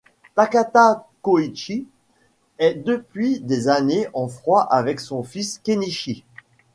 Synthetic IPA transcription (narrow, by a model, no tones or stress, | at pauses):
t̪akat̪akoit͡ʃi | ɛd̪əpɥid̪ezaneʔɑ̃fχwaʔavɛksɔ̃fiskʲeniʃi